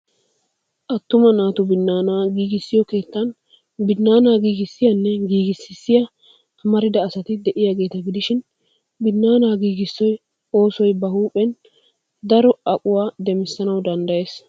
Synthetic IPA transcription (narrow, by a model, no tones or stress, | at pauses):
ʔɐt̪ːʊmɐnaːt̪ʊbɪnːaːnaːɡiːɡɪsːɪjɔke̞ːt̪ːɐn | bɪnːaːnaːɡiːɡɪsːɪjɐnːɛɡiːɡɪsɪsːɪjɐ | ɐmɐɾɪd̪ɐːsɐt̪ɪd̪ɛʔɪjaːɡe̞ːt̪ɐɡɪd̪ɪʃɪn | bɪnːaːnaːɡiːɡɪsːɔj | o̞ːsɔjbɐhuːpʼɛn | d̪ɐɾɔɐkʼʊwaːd̪ɛmɪsːɐnɐwd̪ɐnd̪ɐje̞ːs